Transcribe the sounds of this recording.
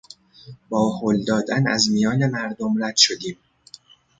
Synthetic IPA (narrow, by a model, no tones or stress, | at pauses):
bɒːhold̪ɒːd̪ænæ̰zmijɒːne̞mæɾd̪omɾæd̪̥ʃod̪iːm